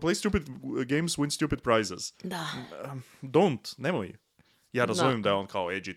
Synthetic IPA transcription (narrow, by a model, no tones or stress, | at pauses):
pleɪstʉpɨdɡẽɪ̃mzwɪ̃nstʉpɨd̚pʰɹ̥aɪzɪ̰z̥ | ʌdõʊ̃ntnɛml̩ˠḭ | jɨaɾəzõʊ̃mdãʊ̃nkʰɑlɛd͡ʒi